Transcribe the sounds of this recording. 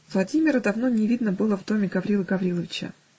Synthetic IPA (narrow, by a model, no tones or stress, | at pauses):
vlˠɐdʲimʲɪɾəd̪ɐvno̞nʲɪvʲid̪nəbɨlˠəvd̪o̞mʲɪɡɐvɾʲilˠəɡɐvɾʲilˠəvʲɪt͡ɕə̰